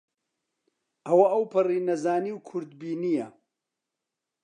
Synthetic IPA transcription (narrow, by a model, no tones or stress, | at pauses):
ʔɐwɐʔɐwpʰɨriːnɐzaːniːwkʰʊɾd̪biːnijɐ